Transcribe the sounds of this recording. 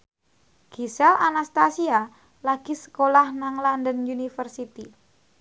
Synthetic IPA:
ɡ̥isɛlanast̪asia | laɡ̥isə̥kolahnaŋlandənjunifərsit̪i

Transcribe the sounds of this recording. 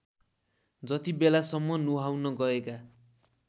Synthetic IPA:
d͡zʌt̪ibelasʌmːʌnuɦawnʌɡʌeka

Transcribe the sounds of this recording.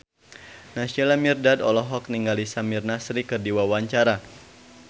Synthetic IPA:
nasɔlamirdadɔlɔɦɔk̚niŋɡalisamirnasɾikɨrdiwawaɲt͡ʃaɾa

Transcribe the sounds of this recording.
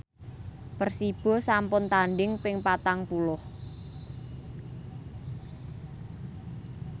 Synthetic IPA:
pərsib̥ɔ̤sampʊnt̪anɖɪŋpɪŋpat̪aŋpulʊh

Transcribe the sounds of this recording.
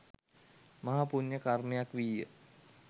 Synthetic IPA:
maɦapuɲjəkarmejakʋijə

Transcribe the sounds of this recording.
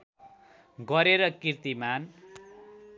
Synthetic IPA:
ɡʌɾeɾʌkirt̪iman

